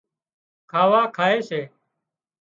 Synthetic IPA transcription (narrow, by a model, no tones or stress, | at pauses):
kʰaːʋaːkʰaːeːseː